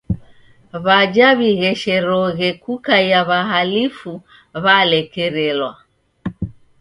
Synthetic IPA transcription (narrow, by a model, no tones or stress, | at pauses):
βad͡ʒaβiɣɛʃɛɾɔɣɛkukajaβaɦalifu | βalɛkɛɾɛlwa